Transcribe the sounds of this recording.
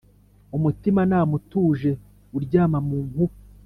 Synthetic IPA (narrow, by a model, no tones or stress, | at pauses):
umutimanaːmutuːʒe̞ | uɾɟaːmamuːŋhu